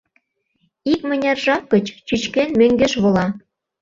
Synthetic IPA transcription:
ik̚mɘ̆nʲɑrʒɑkːə̆t͡ɕt͡ɕyt͡ɕkenmøŋɡĕʃβŏlɑ

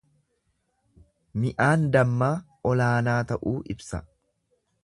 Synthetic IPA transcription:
mɪʔaːnd̪ɐmːaː | ɔlaːnaːt̪ɐʔuːʔɪbsɐ̰

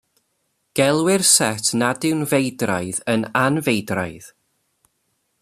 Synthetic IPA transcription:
ɡ̥ɛlˠwɪrsɛtʰnadɪwnvejdra̰jðənanvejdra̰jð

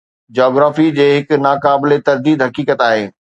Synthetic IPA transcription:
d͡ʑɔːɡɾaːfid͡ʑeːɦɪknaːkaːbɪlet̪ɐɾd̪iːd̪ɦɐkiːkət̪aːɦḛː

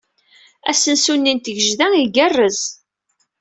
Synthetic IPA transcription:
æ̰sənsunːint̪əʝəʒðæiɡərːəz

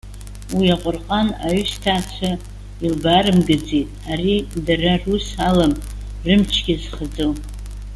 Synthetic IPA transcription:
wiaqʷʼʊrqʼanaɥɥstʰaːt͡ɕʷʰa | ilbaɾɨmɡɨd͡zejtʼaɾidararusalam | rɨmt͡ʃʰɡʲɪzχəd͡zɨl

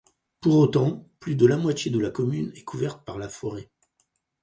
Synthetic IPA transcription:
puʁot̪ɑ̃plyd̪əlamwat̪jed̪əlakɔmynɛkʰuvɛʁt̪̚paʁlafɔʁe

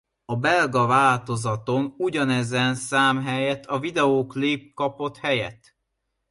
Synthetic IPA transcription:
ɒbɛlɡɒvaːlt̪o̞zɒt̪o̞nuɟɒnɛzɛnsaːmɦɛjɛt̪ʰːɒvid̪ɛoːklip̚kɒpo̞t̪hɛjɛ̰t̪ː

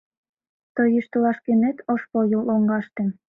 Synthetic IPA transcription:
t̪ojyʃt̪əlɑʃkenet̪ʰoʃpojəloŋɡɑʃt̪e

